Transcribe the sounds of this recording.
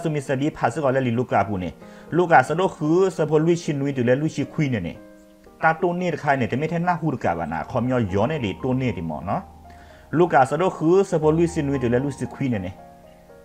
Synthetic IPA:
a˧su˧mi˧˨sa˧biː˧˦pʰa˧˨sɯ˧kɔ˧˨lɛ˧li˧˨lu˧˨kaː˧˨pu˧˨nɛ̰˨lu˧˨kaː˧˨sa˧do˧˨kʰɯː˧˦sa˧pʰo˧˦lu˧i˨sʰi˧nu˧t̪ɯ˨lɛ˧˦lu˧i˨si˧kʰwiː˧˨nɛ˧˨nɛ̰˨ | t̪aː˧t̪o˧˨ne˧t̪kʰaː˧˨na˨t̪ɛ˧˨mɛ˧˥t̪ʰːnːaː˧˨hu˧˨u˧˨ka̰ː˨ba̰˨na̰ː˨˧˨kʰɔ˧˨mjɔ˧˨jɔː˧˦na˧˨dḭ˨t̪o˧neː˧˨t̪i˨mɔ̰ː˧˨nɔ˧˦ | luː˧˨kaː˧˨sa˧do˧˨kʰɯː˧˦sa˧pʰo˧˦lu˧˨si˧nu˧i˧t̪ɨ˨lɛ˧˦lu˧˨si˧kʰwiː˧˨na˧˨nɛ˧˨

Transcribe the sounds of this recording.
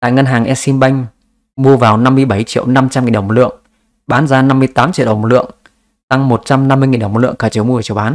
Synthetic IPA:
t̪a̰ː˧˨jŋə˧nɦaː˨˩ŋʔɛ˧si˧mɓa˧jŋ̟ | ɓu˧əvaː˨˩wna˧mːɨ˧əjɓə˧˩jt͡ɕḭ˧˨əwna˧mt͡ɕa˧mi˨˩nɗə˧˩ŋ͡mlɨ̰˧˨əŋ | ɓaː˨˦nzaː˧na˧mːɨ˧əjt̪aː˨˦mt͡ɕḭ˧˨ɗə˧˩wlɨ̰˧˨əŋ | t̪a˧ŋmo˨˩t̚t͡ɕa˧mna˧mːɨ˧jŋi˨˩nɗə˧˩ŋ͡mlɨ̰˧˨əŋkaː˧˩t͡ɕə˨˦wmu˧ə˨˩t͡ɕi˧˨wɓaː˨˦n

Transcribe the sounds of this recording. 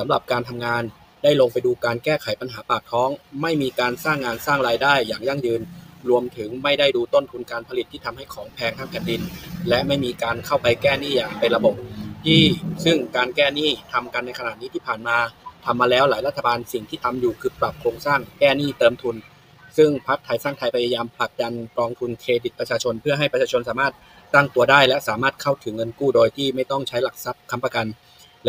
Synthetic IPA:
sa˩˦mɾa˨˩p̚kaː˧nt̪ʰa˧mŋaː˧n | daː˥˩jlo˧ŋpa˧jduː˧kaː˧nkɛː˥˩kʰa˨˩˦jpa˧nɦaː˩˦paː˨˩t̪ʰːɔː˦˥ŋma˥˩jmiː˧kaː˧nsaː˥˩ŋːaː˧nsaː˥˩ŋɾaː˧jdaː˥˩jːaː˨˩ŋja˥˩ŋjɯː˧nɾu˧əmt̪ʰɯ˩˦ŋma˥˩jda˥˩jduː˧t̪o˥˩nt̪ʰu˧nkaː˧npʰa˧li˨˩t̪ʰːiː˥˩t̪ʰa˧mha˥˩jkʰɔː˩˦ŋpʰɛː˧ŋt̪ʰaː˧˥ŋpʰɛː˨˩ndi˧nlɛ˦˥ʔma˥˩jmiː˧kaː˧nkʰa˥˩wpa˧jkɛː˥˩niː˥˩jaː˨˩pe˧nɾa˧bo˨˩p̚t̪ʰiː˥˩sɯ˥˩ŋkaː˧nkɛː˥˩niː˥˩t̪ʰa˧mka˧nː˧jkʰa˧na˨˩t̪̚niː˦˥t̪ʰiː˥˩pʰaː˨˩nmaː˧t̪ʰa˧mːaː˧lɛː˦˥wlaː˩˦jla˦˥t̪ʰːa˧baː˧nsi˨˩ŋt̪ʰiː˥˩t̪ʰa˧mjuː˨˩kʰɯː˧pɾa˨˩p̚kʰoː˧ŋsaː˥˩ŋkɛː˥˩niː˥˩t̪ɤː˧mt̪ʰu˧n | sɯ˥˩ŋpʰa˦˥k̚t̪ʰa˧jsaː˥˩ŋt̪ʰa˧jpʰa˧ja˧jaː˧mpʰla˨˩k̚da˧nkɾɔː˧ŋt̪ʰu˧nkʰeː˧d̪i˨˩pɾa˧t͡ɕʰaː˧t͡ɕʰo˧npʰɯ˥˩ɐɦa˥˩jpɾt͡ɕʰaː˧t͡ɕʰo˧nsaː˩˦maː˥˩t̪̚ː | a˥˩ŋt̪u˧ɐdaː˥˩jlɛ˦˥saː˩˦maː˥˩t̪̚kʰa˥˩wt̪ʰɯ˩˦ŋːɤ˧nkuː˥˩doː˧jt̪ʰiː˥˩ma˥˩jt̪ɔ˥˩ŋt͡ɕʰa˦˥jla˨˩k̚sa˨˩˦p̚kʰa˧mpɾa˧ka˧n | l

